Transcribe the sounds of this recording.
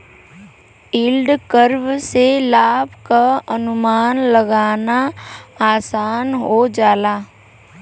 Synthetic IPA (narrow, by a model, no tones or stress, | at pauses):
ɪlɖkəɾʋselaːbʱkaənʊmaːnləɡaːnaː | saːnɦod͡ʒaːlaː